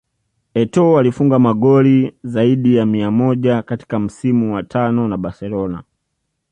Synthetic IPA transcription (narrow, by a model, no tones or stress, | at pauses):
ɛtɔalifuŋɡamaɡɔlizaiɗijamiamɔʄakati̥kam̩simuwatʰanɔnaɓasɛlɔna̰